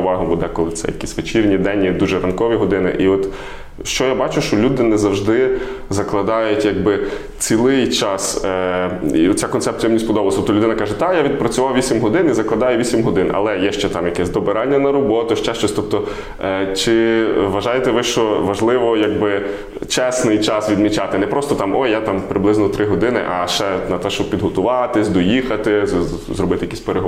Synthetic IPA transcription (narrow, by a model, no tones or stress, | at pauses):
ʋɑɦʊbud̪ɛkɔlˠɪt̪sɛ̰jɐ̰kʲisʲʋet͡ʃirʲnʲid̪ɛnʲːid̪uʒɛɾɐnkɔʋʲiɦɔd̪ɪnɪ̰ʔiɔt̪ | ʃt͡ʃɔjabɑt͡ʃʊʃt͡ʃɔlʲud̪ɪnɛzɐwʒd̪ɪzɐklˠɐd̪ɑjʊtʲjaɡ̚bɪ | t͡sʲilˠɪjt͡ʃɑs | iɔt̪t͡sʲakɔnt̪ɛp̚t͡sʲijmnʲisʲpɔd̪ɔblˠst̪ɔt̪ɔlʊd̪ɪnɐkɑʒɛt̪ɑjaʋʲid̪̚pɾɐt͡sʲʊʋɑwʋʲisʲimɦɔd̪ɪnizɐklˠɐd̪ɑjʊʋʲisʲimɦɔd̪ɪnɐ̰lˠɛjɛʃt͡ʃɛt̪ɑmjɐkɛsʲd̪ɔbeɾɑnʲːɐnɐɾɔbɔt̪ʊʃt͡ʃɛʃt͡ʃɔsʲt̪ɔp̚t̪ɔ | t͡ʃɪʋɐʒɑjet̪ɛʋɪʃt͡ʃɔʋɐʒlˠɪʋɔjaɡbɪ | t͡ʃɛsnɪjt͡ʃɑsʋʲid̪mʲit͡ʃɑt̪ɪnɛpɾɔst̪ɔt̪ɑmɔjːat̪ɑmpɾɪblˠɪznɔt̪ɾʔɪɦɔd̪ɪnɪ̰ʔɐʃt͡ʃɛnɐt̪ɛʃt͡ʃɔb̚pʲid̪ɦɔt̪ʊʋɑt̪ɪsʲd̪ɔjixɐt̪ɪzɾɔbɪt̪ɪjɐkisʲpeɾeɦ